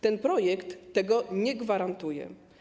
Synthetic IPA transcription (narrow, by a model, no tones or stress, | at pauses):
t̪ɛnpɾɔjɛkt̪ːɛɡɔɲɛɡvaɾant̪ujɛ̰